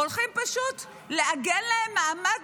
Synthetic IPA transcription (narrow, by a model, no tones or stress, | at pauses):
olχimpaʃut | leʔaɡenlahemːaama